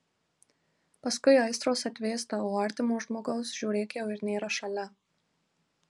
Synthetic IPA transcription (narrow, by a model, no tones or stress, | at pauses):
pɐskʊɪɐɪst̪ɾoːsɐt̪ʲʋʲeːst̪ɐoːɐɾʲt̪ʲɪmoːʒmoːɡɐʊsʒ̥ʲuːɾʲeːkʲjɛʊɪɾnʲeːɾɐʃɐlʲɛ